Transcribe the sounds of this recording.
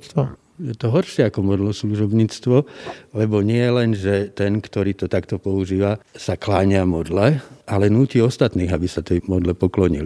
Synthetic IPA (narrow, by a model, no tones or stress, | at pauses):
jɛt̪ɔɦɔɾʃɪɛakɔmɔd̪lɔsluʒɔbɲiːt͡st̪ʋɔlɛbɔɲɪɛjɛlɛnʒɛt̪ɛnkt̪ɔɾiːt̪ɔt̪akt̪ɔpɔuʒiːʋasaklaɲɪamɔd̪lɛʔalɛnuːciːɔst̪at̪niːɣabisat̪ɛmɔd̪lɛpɔklɔɲḭli